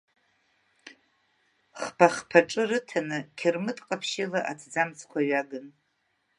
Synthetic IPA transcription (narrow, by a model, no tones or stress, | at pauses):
χpʰaχpʰaʈ͡ʂʼɨrɨtʰanɨkʲʰɪrmɨtʼqʼapʰʃɪlaʔatʰd͡zamt͡sʰkʷaɥaɡɨn